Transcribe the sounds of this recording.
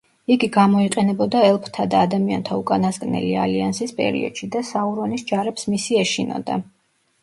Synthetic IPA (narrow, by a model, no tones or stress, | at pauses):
iɡiɡamɔiqʼɛnɛbɔd̪aɛlˠpʰt̪ʰad̪aːd̪amia̰nt̪ʰaukʼanasɡʼnɛ̰lia̰liansispʼɛ̰ɾḭɔ̰d̪̥ʃid̪asauɾɔnisd͡ʒaɾɛpsmisiɛʃinɔ̰d̪a̰